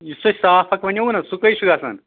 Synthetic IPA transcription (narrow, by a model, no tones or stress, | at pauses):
isɐsaːpʰɐkʋɐnjɐunɐsukɐjʃuɡaːsɐ̰n